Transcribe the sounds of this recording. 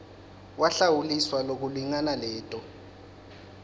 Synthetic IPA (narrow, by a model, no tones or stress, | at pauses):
waɬawuliswalok̬uliŋanalɛːtʼɔ